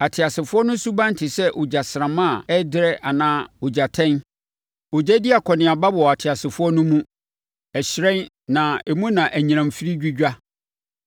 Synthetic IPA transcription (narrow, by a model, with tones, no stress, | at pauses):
a˨tʰɪ˨a˨sɪ˨fʊ˦ɔ˦nʊ̃˦su˦bã˦n˦tʰɪ˨sɛ˦ʔʊ˨d͡ʑa˨sɾã˨mã˦˨ɛ˦dɪ˦ɾɛ˦ʔa˨nãː˦o˨d͡ʑa˨tʰɛ̃˦n | o˨d͡ʑæ˦di˦a˨kʰɔ˨nɪ̃˨a˨ba˦bɔ˨ɔ˨a˨tʰɪ˨a˨sɪ˨fʊ˦ɔ˦nʊ̃˦mũ˦ | ɛ˨ɕɪ˨ɾɛ̃˦n | nã˨e˨mũ˦nã˨ʔæ˨ɲĩ˨ɾ̃ã˨m˨fi˦ɾi˦d͡ʑᶣi˦d͡ʑᶣa˦